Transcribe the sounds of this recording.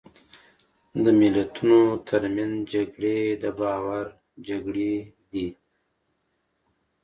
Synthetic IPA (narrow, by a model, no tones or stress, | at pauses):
d̪əmɪlat̪ʰunot̪ʰəɾmjand͡ʒaɡɽed̪əbɑːwaɾ | d͡ʒaɡɽe | d̪i